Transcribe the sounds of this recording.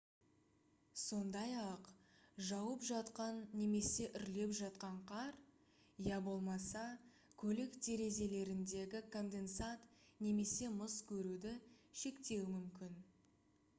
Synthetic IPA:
so̞nd̪ɑjɑqʒɑwəpʒɑt̪qɑnːe̞me̞se̞ʔʏɾle̞pʒɑt̪qɑɴqʰɑɾ | jæbo̞lˠmɑsɑ | kʲʰɵlɪkt̪ʰe̞ɾe̞ze̞le̞ɾɪnd̪e̞ɡʲɪkʰo̞nd̪e̞nsat̪ne̞me̞se̞mʊskʲʰɵɾud̪ɪʃe̞kt̪e̞wɪmʏmkʲɪn

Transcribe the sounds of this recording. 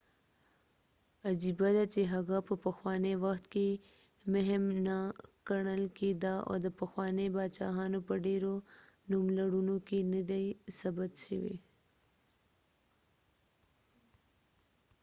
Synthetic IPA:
ɐd͡ʒibad̪at͡ʃeɦɐɣapəpɐxwɑːnewɐxt̪ke | meɦmnakəɳ̃əlked̪ao̰d̪əpəxwɑːnebat͡ʃa̰ːɦanopəɖeɾo | numlaɽunokenid̪ajsɐbət̪ʃiwḛ

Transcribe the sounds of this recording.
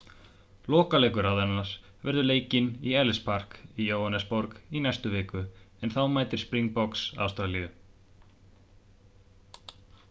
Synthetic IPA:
lɔːkaleːjkʏɾawðɛnːaɾ | vɛɾðʏleːjcɪniɛlspar̥kijoːwhanɛspɔɾkinajst̪ʏvɪːkʏɛnθawmaːjt̪ɪɾ̥spɾiŋkpɔksa̰wst̪ɾaliʏ

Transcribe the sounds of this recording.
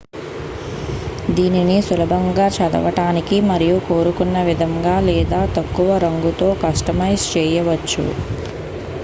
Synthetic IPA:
d̪iːninisulɐbʱɐŋɡaːt͡ʃɐd̪ɐ̰ʋɐʈaːnikimɐɾijuko̞ːɾukunːɐʋid̪ʱɐŋɡaːlɛːd̪aːt̪ɐkːuʋɐɾɐŋɡut̪o̞ːkɐʂʈɐmɐjst͡ʃɛːjɐʋɐt͡ʃːṵ

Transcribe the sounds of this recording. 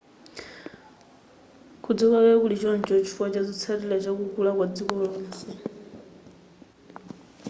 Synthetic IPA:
kʰud͡zɔkakɛkulit͡ʃɔnd͡ʒɔt͡ʃʰifat͡ʃad͡zit͡sʰaɾilɛt͡ʃakukulakwad͡zikɔlɔːnsɛ

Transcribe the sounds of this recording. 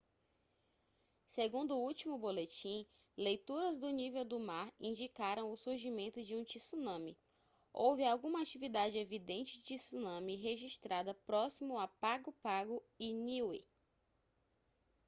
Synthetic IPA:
seɡũnd̪ʊʊut͡ʃimʊbolet͡ʃĩ | lejt̪uɾɐzd̪ʊnivewd̪ʊmaɾĩnd͡ʒikaɾɐ̃w̃ʊsuɾʒimẽnt̪ʊd͡ʒɪũt͡ʃisunɐ̃mi | owvɪawɡũmɐat͡ʃivid̪ad͡ʒɪevid̪ẽnt͡ʃɪd͡ʒɪt͡ʃisunɐ̃miɦeʒiʃt̪ɾad̪ɐpɾɔsimʊapaɡʊpaɡʊiniwḭ

